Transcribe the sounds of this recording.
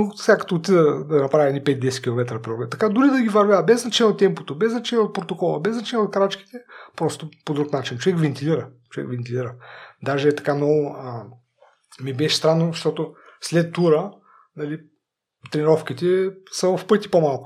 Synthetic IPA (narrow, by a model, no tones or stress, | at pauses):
ofsʲakɐ̥t̪oːt̪id̪əd̪ɐnɐpɾavʲiɛnipɛt̪̚d̪ɛsɛt̪̚kʲilˠomɛt̪ɾɐpɾiɔɡɛt̪ɐkad̪ʊɾid̪ɐɡʲivɐɾvʲjavɐbɛznɐt͡ʃɛɲʲɛot̪ːɛmpo̥t̪obɛznɐt͡ʃɛnʲɛot̪̚pɾot̪okɔlˠəbɛznɐt͡ʃɛnʲɛot̪kɾat͡ʃki̥t̪ɛpɾɔst̪opod̪ɾuknat͡ʃint͡ʃovɛkvɛnt̪ilʲiɾət͡ʃovɛ̰kvɛnt̪ilʲiɾəd̪aʒɛt̪ɐ̥kanɔə | mibɛʃst̪ɾanːoʃt̪ɔt̪oslɛt̪ːuɾə | nɐli | t̪ɾɛniɾɔfk̟it̪ɛsəvɐfpɤt̪ipomalˠkʊ̥